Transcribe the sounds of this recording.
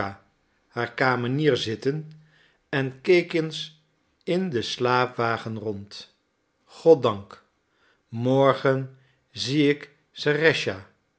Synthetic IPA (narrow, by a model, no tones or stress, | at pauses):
a | haːɹkaːməniːɹzɪtən | ɛnkejkɪns | ɪndəslaːpʋaːχənrɔnt | χɔt̚dɑŋk | mɔɹχən | ziɪk | sarɛʃa